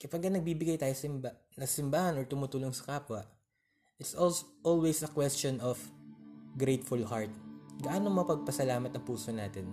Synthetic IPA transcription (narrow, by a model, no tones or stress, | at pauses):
kɐpaɡ̚kɐnɐɡ̚biːbɪɡajt̪aːjosɪmba | nɐsɪmbaːhɐnʔɔɹt̪ʊmuːt̪uːloŋsɐ̥kaːpwɐʔ | ʔɪt̪sʔolʔolwɛsɐkwɛst͡ʃɔnɔf | ɡɾejt̪fʊlhaɹt̪̚ɡɐʔaːnomɐɐpɐɡ̚pɐsɐlaːmɐt̪ɐŋpuːsonaːt̪ɛn